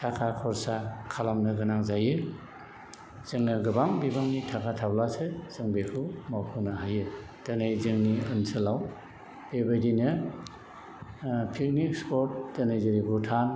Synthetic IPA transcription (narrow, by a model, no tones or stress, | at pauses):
tʰakʰakʰɔɾsakʰalamnɯɡɯnaŋzajɯ | z̥ɯŋːaɡɯbaŋbibaŋnitʰakʰatʰablasɯz̥ɯŋbekʰɯmawpʰɯnaɦajɯ | d̥anajzɯŋniɯnsʰɯlaw | b̥ebajdinɯ | pʰik̚nikspɔt̚danajzɯɾiɡutʰan